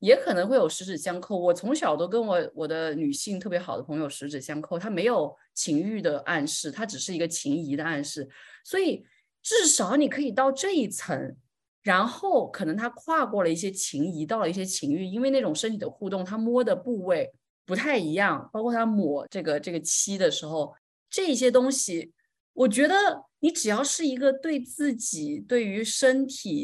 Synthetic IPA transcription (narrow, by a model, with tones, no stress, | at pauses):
jɛ˧˥kʰɤ˨˩nɤ˧˥ŋxwe˥˩ɪjo˨˩ʊʂɻ̩˧˥ʈ͡ʂɻ̩˨˩ɕjɑ˥ŋkʰo˥˩ʊwɔ˨˩t͡sʰʊ˧˥ŋɕjɑ˨˩ʊt̪o˥ʊkə˥nwɔ˧˥wɔ˨˩d̪ə˦ny˨˩ɕi˥˧ŋt̪ʰɤ˥˩pjɛ˥xɑ˨˩ʊd̪ə˦pʰɤ˧˥ŋjo˧ʊʂɻ̩˧˥ʈ͡ʂɻ̩˨˩ɕjɑ˥ŋkʰo˥˩ʊt̪ʰa˥me˧˥ɪjo˨˩ʊ | t͡ɕʰi˧˥ŋy˥˩d̪ə˩ʔa˥˧nʂɻ̩˥˩t̪ʰa˥ʈ͡ʂɻ̩˨˩ʂɻ̩˥˩i˧˥ɡə˧t͡ɕʰi˧˥ŋi˧˥d̪ə˧a˥˧nʂɻ̩˥˩swɔ˧˥i˨˩ | ʈ͡ʂɻ̩˥˩ʂɑ˧˥ʊni˨˩kʰɤ˧˥i˨˩t̪ɑ˥˧ʊʈ͡ʂɤ˥˧i˥˩t͡sʰɤ˧˥ŋ | ɻa˧˥nxo˥˩ʊkʰɤ˨˩nɤ˧˥ŋt̪ʰa˥kʰwa˥˧kwɔ˥˩lə˩i˥˩ɕ̬jɛ˥t͡ɕʰi˧˥ŋi˧˥t̪ɑ˥˩ʊlə˩i˥˩ɕjɛ˥t͡ɕʰi˧˥ŋy˥˩i˥nwe˥˧ɪna˥˩ʈ͡ʂʊ˨˩ŋʂə˥nt̪ʰi˨˩d̪ə˦xu˥˧t̪ʊ˥˩ŋt̪ʰa˥mwɔ˥d̪ə˨pu˥˧we˥˩ɪ | pu˧˥t̪ʰa˥˩ɪi˧˥jɑ˥˩ŋpɑ˥ʊkʰɔ˥˩t̪ʰa˥mwɔ˨˩ʈ͡ʂɤ˥˩ɡə˩ʈ͡ʂɤ˥˩ɡə˩t͡ɕʰi˥d̪ə˨ʂɻ̩˧˥xo˧ʊ | ʈ͡ʂɤ˥˩˧i˥˩ɕ̬jɛ˥t̪̬ʊ˥ŋɕi˨˩ | wɔ˨˩t͡ɕɥɛ˧˥d̪ə˧ni˧˥ʈ͡ʂɻ̩˨˩jɑ˥˧ʊʂɻ̩˥˩i˧˥ɡə˧t̪we˥˧ɪt͡sɹ̩˥˩t͡ɕi˨˩t̪we˥˩ɪy˧˥ʂə˥nt̪ʰi˨˩